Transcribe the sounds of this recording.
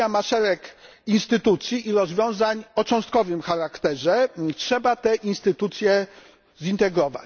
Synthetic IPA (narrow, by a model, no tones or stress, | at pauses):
amaʂɛɾɛk | inst̪ɘt̪ut̪sʲjiʔːɾɔzvʲjɔ̃w̃zaɲɔt͡ʂɔ̃w̃st̪̚kɔvɘmxaɾakt̪ɛʐɛtʂɛbat̪ɛʔinst̪ɘt̪ut̪sʲjɛ | zint̪ɛɡɾɔva̰t͡ɕ